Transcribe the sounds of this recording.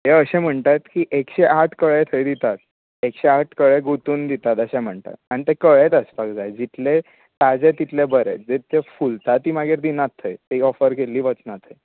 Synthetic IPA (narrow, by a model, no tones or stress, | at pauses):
ɦeəɕẽm̤əɳt̪at̪kiːʔekɕeʔaʈʰkəɭet̪ʰəjd̪it̪at̪ | ekɕeaʈʰkəɭeɡut̪uːnd̪it̪at̪əɕɛ̃m̤əɳt̪a̰t̪añit̪ekəɭet̪əspakd͡zajd͡ʑit̪le | ʈ̪ad͡zet̪it̪lebəɾḛt͡sd͡zet̪efult̪at̪ːiːmaɡeɾd̪inat̪ʰːəjt̪eiɔfəɾkeliːʋət͡snat̪ʰəj